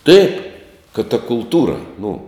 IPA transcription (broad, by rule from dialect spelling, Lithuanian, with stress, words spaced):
tɐɪp kɐt tɐ kʊlˠˈtuːrɐ nʊ